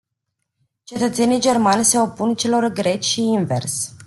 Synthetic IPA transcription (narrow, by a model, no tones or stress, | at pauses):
t͡ʃe̞t̪ət̪se̞nijd͡ʒe̞rmanʲse̞o̞punt͡ʃe̞lo̞rɡɾe̞t͡ʃʲʃiinve̞̰rs